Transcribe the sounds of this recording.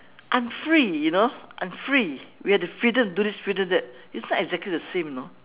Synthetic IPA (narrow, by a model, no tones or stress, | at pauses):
ʔãɪ̃mfɹijunoʔã̰ɪ̃mfɹiwihɛtufɹidə̃mdudisfɹidə̃mdɛt̚ | itsnɔtɛɡzɛk̚lidəsẽmjno